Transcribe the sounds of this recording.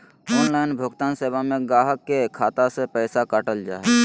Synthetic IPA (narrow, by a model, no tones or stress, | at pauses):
ɔːnlaːɪnbʱʊɡt̪aːnsebʱamẽɡaːɦəkːekʰaːt̪asepɛːsakaʈəld͡ʒa̰ːe